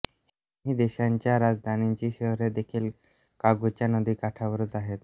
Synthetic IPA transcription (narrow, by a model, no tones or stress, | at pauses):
ɦid̪eʃant͡ʃaɾad͡zd̪ʱanint͡ʃiʃɔɦɔɾed̪ekʰil | kaɡut͡ʃanɔd̪ikaʈʰabɔɾuzaɦet̪